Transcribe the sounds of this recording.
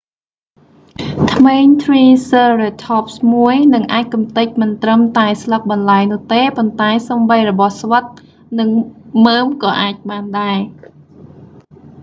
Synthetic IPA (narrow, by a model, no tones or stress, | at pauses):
t̪ʰmeːɲt̪ʰriːsəːret̪ʰɑːp̚smuəjnɨŋʔaːc̚kumt̪ɨc̚mɨnt̪rəmt̪aɛslək̚ɓɑnlaɛjnʊ̆əht̪eːpont̪aɛsomɓəjrɔɓɑhsʋət̪̚ | nɨŋməːmkɑːʔaːc̚ɓaːnɗaɛ